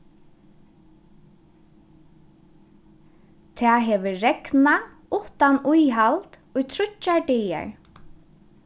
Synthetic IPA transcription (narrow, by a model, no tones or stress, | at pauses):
t̪ʰɛːɦɛːʋəɾɛkna | ʊht̪anujɦalt̪ | ʊjt̪ʰɾʊt͡ʃːaɖɛjɛ̰ɹ